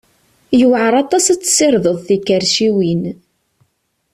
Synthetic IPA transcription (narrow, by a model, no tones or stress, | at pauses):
jəwʕəɾˤɑt̪ˤɑsæt͡sːsɪɾðˤəðˤθikːəɾʃiwin